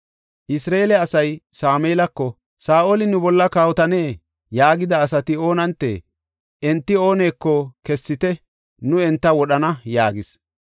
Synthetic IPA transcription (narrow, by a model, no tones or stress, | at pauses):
ʔɪsɾaeːlɛɐsɐjsaːmeːlɐkːɔ | saːʔolɪnʊbɔlːɐkaːwɔt̪ɐne̞ː | jaːɡɪd̪ɐːsɐt̪ɪo̞ːnɐnt̪ːḛ | ʔɛnt̪ːɪo̞ːneːkːɔkɛsːɪt̪ɛ | nʊɛnt̪ːɐwɔɗɐnɐjaːɡɪs